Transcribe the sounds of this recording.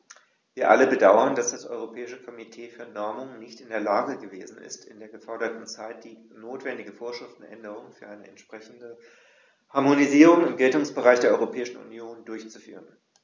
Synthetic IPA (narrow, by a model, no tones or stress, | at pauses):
viːɐʔa̰ləbədaʊɐndasd̥asʔɔ̰ʏʁ̞opʰɛːɪʃəkʰɔmitʰeːfyːɐnɔɐmʊŋnɪçtɪndeːɐlaːɡəɡəveːzn̩ɪ̰stʰɪndeːɐɡəfɔɐɾɐtn̩t͡saɪt̚d̥iː | noːtv̥ɛndɪɡəfoːɐʃʁ̥ɪftn̩ʔɛ̰ndəʁ̞ʊŋfyːɐʔaɪnəɛntʃpʁ̥ɛçn̩də | haɐmoniziːʁ̞ʊŋɪmɡɛltʊŋsb̥əʁaɪçd̥eːɐʔɔʏʁopʰɛːɪʃn̩ṵnjoːndʊɐçt͡su̥fy̰ːʁən